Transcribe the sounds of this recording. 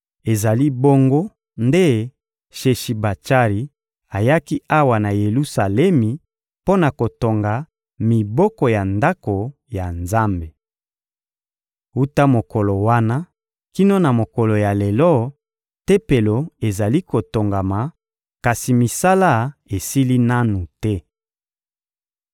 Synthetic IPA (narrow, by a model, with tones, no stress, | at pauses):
e˨za˨li˦bo˦ŋɡo˦ | nde˦ | ʃe˨ʃi˨ba˨t͡ʃa˦ʁi˨ | a˨ja˦ki˦a˦wa˨na˨je˨lu˦sa˨lɛ˦mi˨ | po˦na˨ko˨to˨ŋɡa˨ | mi˨bɔ˦kɔ˨ja˨nda˦ko˨ | ja˨nza˦mbe˨ | u˦ta˦mo˨ko˨lo˨wa˦na˦ | ki˦no˦na˨mo˨ko˨lo˨ja˨le˨lɔ˦ | te˦pe˨lo˨e˨za˨li˦ko˨to˨ŋɡa˨ma˨ | ka˨si˨mi˨sa˦la˦e˨si˦li˦na˦nu˨tɛ˦